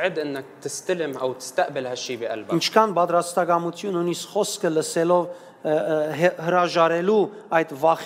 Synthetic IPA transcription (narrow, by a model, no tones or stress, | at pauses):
ʕɪd̪ʔɪnːak̚t̪ɪst̪alɪmʔawt̪ɪ̥st̪aʔbɪlhaʃːiːbiʔa̰lbint͡ʃʰkʰɑnbɑt̪ɾɑst̪ɑɡɑmut̪ʰjunːujniskχɔskʰələsɛlɔv | həɾɑʒɑɾɛlu | ɑjd̪vɑχ